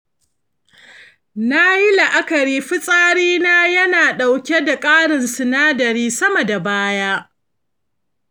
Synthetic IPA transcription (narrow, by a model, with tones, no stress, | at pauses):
na˦ji˦la˨ʔa˦kɐ˨ɾiː˦ɸɪ˦sʼaː˦ɽiː˦naː˦jɐ˦naː˨ɗa˨wkʲe˦da˨kʼaː˦ɽɪ˨nsɪ˨naː˦dɐ˨ɾiː˦sɐ˦mɐ˨da˨baː˦jaː˦